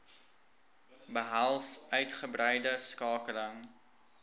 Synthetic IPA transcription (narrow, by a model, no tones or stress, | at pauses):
bəɦælˠsʔœɥtχəbrɛjdəskɑːkələŋ